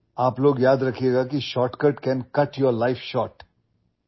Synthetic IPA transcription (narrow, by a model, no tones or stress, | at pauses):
aːploːɡjaːd̪ɾɐkʰeɡakiʃɔːʈkəʈkɛ̃nkɐʈjɔɾlaɪfʃɔːɾʈ